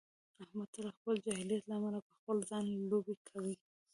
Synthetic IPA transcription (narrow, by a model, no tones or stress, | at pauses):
ahmat̪ʊlɑxpəld͡ʒahilijat̪laːmalapəxpəlzɑnlobekʰawi